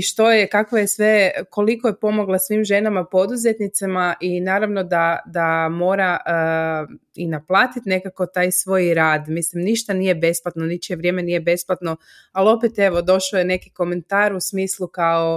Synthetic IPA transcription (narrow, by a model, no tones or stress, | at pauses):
iʃt̪o̞jekakʋojesʋe̞ko̞likojepo̞moɡlˠasʋimʒe̞namapo̞d̪uze̞t̪nit̪samaʔinaːɾaʋno̞d̪ad̪amo̞ːɾa | inaplˠaːt̪it̪ne̞kako̞t̪aːjsʋo̞ːjɾaːd̪mislimniʃt̪anijebe̞splat̪nonit͡ʃieʋɾjeme̞nijebe̞splat̪no̞ | alo̞pet̪e̞ʋo̞d̪o̞ʃojene̞kiko̞me̞nt̪aːɾusmiːslˠukao̞